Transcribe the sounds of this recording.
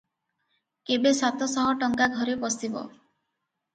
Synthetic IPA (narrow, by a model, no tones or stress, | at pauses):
kebesat̪ɔsɔɦɔʈɔŋkaɡʱɔɾepɔsibɔ̰